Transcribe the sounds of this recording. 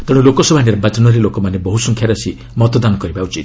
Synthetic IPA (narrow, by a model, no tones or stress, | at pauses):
t̪ɔɽ̃ulokɔsɔbʱaneɾɔbat͡ʃɔnɔɾilokɔmanebɔɦusɔŋkʰjaɾɔsi | mɔt̪ɔd̪anɔkɔɾibawt͡ʃʰi